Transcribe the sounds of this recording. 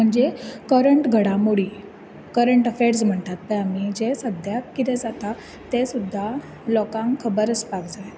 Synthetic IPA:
m̤əɳd͡zekəɾəɳʈɡʱəɽamoɽiː | kəɾəɳʈəfeɾsm̤əɳt̪at̪̚pəamid͡ʑesəd̪ʱjakkːit̪ɛ̃d͡zat̪a | t̪esud̪ʱːa | lɔkãŋkʰəbəɾəspakd͡zaj

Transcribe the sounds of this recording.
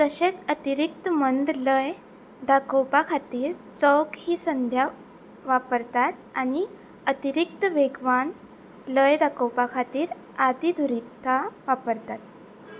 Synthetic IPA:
k̪əɕet͡sət̪iɾik̚t̪əmənd̪ləj | d̪akəwpakʰat̪iːɾt͡səwkhiːsənd̪ʱja | ʋapəɾt̪at̪̚aɽ̃i | ət̪iɾik̚t̪əʋeɡʋan | ləjd̪ʱakəwpakʰat̪iːɾ | ad̪id̪ʱuɾit̪ʰːaʋapəɾt̪at̪̚

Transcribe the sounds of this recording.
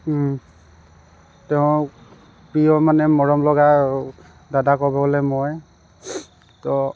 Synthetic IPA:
tɛʊ̃ | pɹijɔmanɛmɔɹɔmlɔɡa | dadakɔbɔolɛmɔj | tɔ

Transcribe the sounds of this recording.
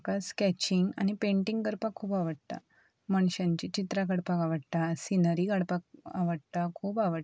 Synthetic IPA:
kaskɛt͡ɕiŋɡa̰nipẽɳʈiŋɡkəɾpakʰːuːpaʋəɽt̪a̰ | məɳɕãɲt͡ɕit͡ɕit̪ɾakəɽpakaʋəɽt̪asinəɾikəɽpak̚a̰ʋəɽt̪akʰuːpaʋəɽ

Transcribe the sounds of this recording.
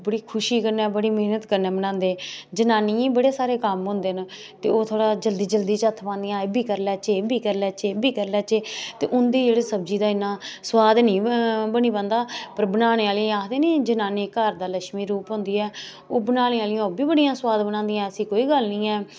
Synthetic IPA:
bəɽiːkʰʊʃiːkəɾnɛːbəɽiːmeːnət̪kəɾnɛːbənãːnd̪eːd͡ʒənaːniːiːbəɽeːsaːɾeːkəmɦʊ̃nd̪eːn | t̪ḛːoːt̪ʰoːɽaːd͡ʒəld̪iːd͡ʒəld̪iːt͡ʃɦət̪ʰːpãːnd̪ijãːebiːkəɾlɛːt͡ʃeːbʱiːkəɾlɛːt͡ʃeːbiːkəɾlɛːt͡ʃeːt̪ḛːʔʊnd̪iːd͡ʒeːɽeːsəb̚d͡ʒiːd̪aːɪnːãːswaːd̪nĩːbəniːpə̃ːnd̪aːpəɾbənaːñeːaːlɪ̃aːkʰd̪eːnẽːd͡ʒənaːneːkəɾd̪aːləʃmiːɾuːpɦʊ̃nd̪iːɛː | oːbənaːneːaːlɪjãːoːbiːbəɽijãːswaːd̪bənãːnd̪ijãːəsĩːkoːiːɡəlnĩːɛː

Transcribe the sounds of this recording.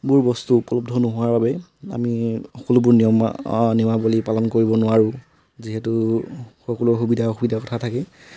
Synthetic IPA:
buɹbɔstuːpɔlɔb̚dʱɔnɔɦʊwaɹbabɛa̰mixɔkɔlʊbʊɹnijɔm̰nimabolipalɔnkoɹibɔnʊwaɹʊ̃ | ziɦɛtʊxɔkɔlʊxubidʱaxubidʱakɔtʰatʰakɛ

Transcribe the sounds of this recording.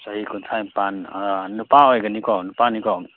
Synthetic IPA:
saɦikunt̪ʰajmpannupaɦɔjɡɐnikɔnupanikɔ

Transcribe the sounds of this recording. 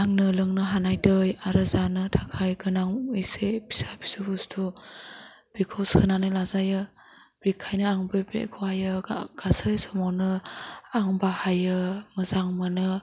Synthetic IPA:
aŋnɯlɯŋnɯɦanajdɯjaɾɯzanɯtʰakʰajɡɯnaŋɯjsepʰi̥sapʰi̥sɯbustʰɔ | b̥ikʰɔsɯnanɯjlazajɯ | b̥ikʰajnɯaŋbebḛkʰɔajɯɡ̥asɯjsɔmɔwnɯaŋbahajɯmɯzaŋmɯnɯ

